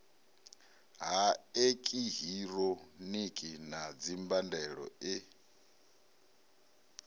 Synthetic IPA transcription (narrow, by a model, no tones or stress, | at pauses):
ɦaekʼiɦiɾɔnikʼinad͡zimbandɛɺɔ̰ɪ